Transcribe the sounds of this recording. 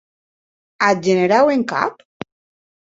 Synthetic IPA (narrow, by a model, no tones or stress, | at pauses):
ad͡ʒeneɾaweŋka̰p